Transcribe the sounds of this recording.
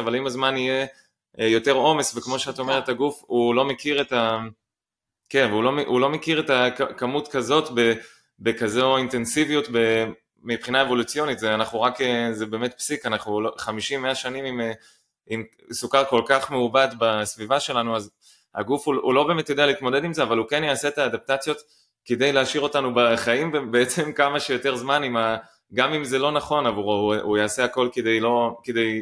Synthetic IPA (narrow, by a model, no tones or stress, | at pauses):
avalimazmanije̞ | jo̞te̞ʁo̞me̞svekmo̞ʃeat̪aome̞ʁethaɡufulo̞mekiʁeta | kenvulo̞meulo̞mekiʁetakkamutkazo̞tbe | bekazointe̞nsivijutbe | mipχinae̞vo̞lut͡sijo̞nitzeanaχnuʁakezebe̞ːmet̪̚psikanaχnuloχamiʃimːeaʃanimim | im | sukaʁko̞lkaχmeubad̪basvivaʃe̞lanuaz | ha̰ɡufuulo̞be̞ːme̞t̪jodealeit̪mo̞d̪ed̪imzeavalukenjaaset̪aːd̪ap̚tat͡sjo̞t̪ | ked̪e̞jleaʃiʁo̞tanubaχaimbebeet͡se̞mkamaʃejote̞ʁzmanima | ɡamimzelo̞naχo̞navuʁujaːseako̞lked̪e̞jlo̞ked̪e̞j